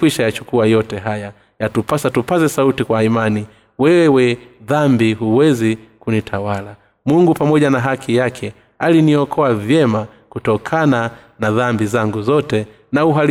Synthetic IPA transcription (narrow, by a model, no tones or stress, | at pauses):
wiʃajat͡ʃukuajɔtɛɦaja | jatupasatupazɛsautikwaimani | wɛwɛðambiɦuwɛzikunitʰawala | muŋɡupamɔʄanaɦakʰijakʰɛ | aliniɔkʰɔavjɛma | kutɔkʰana | naðambizaŋɡuzɔtɛ | nauɦal